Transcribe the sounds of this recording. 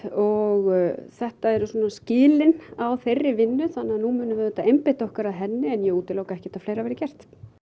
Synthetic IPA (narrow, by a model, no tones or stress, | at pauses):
ɔɣθɛht̪aɛɾʏsɔːnascɪːlɪnawferːɪvɪnːʏθanːaðanumʏːnʏvɛðʏt̪aejmpɪht̪aɔhkaɾaðɦɛnːɪɛnjɛuːt̪ɪlowkaɛhcɪ̥t̪afleːjɾavɛːɾɪcɛr̥t̪